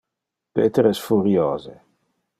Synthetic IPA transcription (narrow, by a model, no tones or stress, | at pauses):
pḛːt̪eɾɛsfuɾjoːze